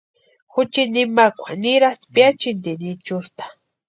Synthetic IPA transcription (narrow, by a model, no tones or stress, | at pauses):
xʊt͡ʃinimakʷaniɾat̪pjat͡ʃind̪init͡ʃʊst̪ḁ